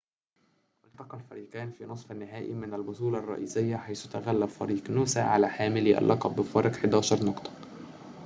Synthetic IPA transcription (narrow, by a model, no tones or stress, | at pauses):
ʔɪlt̪ɑqɑlfæɾiːqæːnfiːnosˤfænːɪɦæːʔimɪnælbosˤuːlɑrˤːɑ̰ʔiːsɪjːæħajsʊt̪æɣælːæbfæ̰ɾiːqnuːsæʕalæħaːmɪliʔæ̰lʔɑqɑbːɪfɑɾˤɑqħed̪æːʃɑɾˤnɑqt̪ˤɑ̥